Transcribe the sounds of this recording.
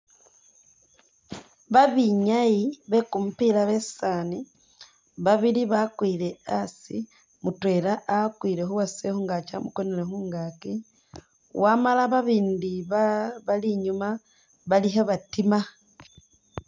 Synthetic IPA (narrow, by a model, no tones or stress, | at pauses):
βaβiɲajiβe̞kumupilaβessani | βaβiliβakwiːle̞asḭ | mutwe̞laːkwile̞xuwasexuːŋɡat͡ʃamukonelexuːŋɡaki | wamalaβaβiːndiββaliɲuma | βaliɦeβatima